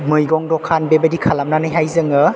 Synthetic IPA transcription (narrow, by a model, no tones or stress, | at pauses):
mɯjɡɔŋdɔkʰanbebadikʰalamnanajɦajzɯŋɯ